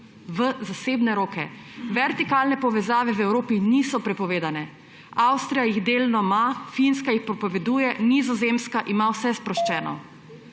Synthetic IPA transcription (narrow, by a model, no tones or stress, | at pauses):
ʋəzaseːbnɛɾoːkɛ | ʋɛɾt̪ikalnɛpɔʋɛzaːʋɛwɛwɾoːpinisɔpɾɛpɔʋeːd̪anɛ | awst̪ɾijajiɣd̪eːlnɔmafinskajixpɾɔpɔʋɛd̪uːjɛnizɔzemskaʔimawsɛspɾɔʃt͡ʃɛːnɔ̰